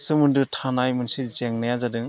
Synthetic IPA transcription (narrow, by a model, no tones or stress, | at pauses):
sɯmɯndɯtʰanajmɯnsizeŋnajazadɯŋ